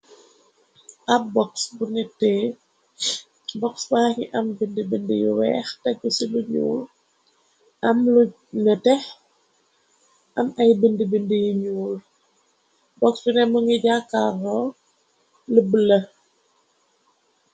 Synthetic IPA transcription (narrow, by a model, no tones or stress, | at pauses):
ʔɐbɔksbuŋitɛː | bɔksbaːŋiʔɐmbəndəbəndəjuwɛ̰ːxtɐbusiluɲṵːl | ʔɐmlu | ɲətɛx | ʔɐmɐjbəndəbəndijuɲuːl | bɔksbunɛmuŋiɟakːarɔ | ləbəlːɐ